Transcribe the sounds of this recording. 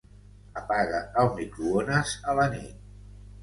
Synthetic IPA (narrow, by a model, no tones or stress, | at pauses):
əpaɣəəlˠmikɾuonəzələnḭt̪̚